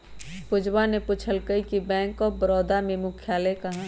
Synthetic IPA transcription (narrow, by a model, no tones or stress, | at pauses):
pʊd͡ʒwanepʊt͡ʃʰəlkəikibɛ̃ːŋkɔbɾɔːd̪amẽmʊkʰjaːlekɐɦa